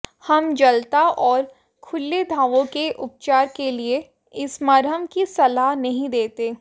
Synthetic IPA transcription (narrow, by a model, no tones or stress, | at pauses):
hɐmd͡ʒɐlt̪aʔɔːɾ | kʰʊlːed̪ʱaːʋõkeʔʊp̚t͡ʃaːɾkelie | ɪsmɐɾɦəmkisɐlaɦnɐɦĩd̪eːt̪eː